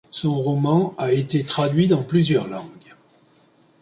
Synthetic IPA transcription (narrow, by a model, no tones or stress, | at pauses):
sɔ̃ʁɔmɑ̃aet̪et̪χad̪ɥid̪ɑ̃plyzjœʁlɑ̃ɡ